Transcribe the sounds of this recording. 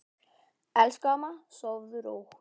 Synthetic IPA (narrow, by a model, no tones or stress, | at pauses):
ɛlskamasɔvðʏɾo̰wx